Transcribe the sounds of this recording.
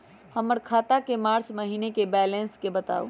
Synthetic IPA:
həməɾkʰat̪akemaɾt͡ʃməɦinekebɛlenskebət̪a̰ṵ

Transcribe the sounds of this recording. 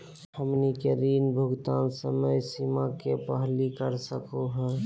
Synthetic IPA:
həmnikeɾiːnbʱʊɡt̪ansəməjsimakepəɦlikəɾsəkoɦɛ̃

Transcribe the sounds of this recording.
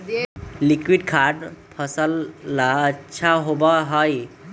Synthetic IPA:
likwiɖkʰaɖpʰəsəlːaətːʃʰaɦobaɦɔj

